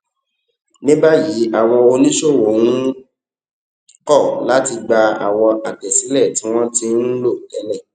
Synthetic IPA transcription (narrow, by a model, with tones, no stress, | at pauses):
nĩ˦ba˦ji˨˦a˦˨wɔ˧o˧nĩ˦ʃo˦˨wo˨wũ˦ | kɔ˦˨la˨˦ti˧ɡ͡ba˧a̰˨wɔ˧a˨kɛ˨sĩ˨˦lɛ˦˨tĩ˨˦w̃ɔ̃˦ti˧n̩˦lo˦˨tɛ˨˦lɛ˦˨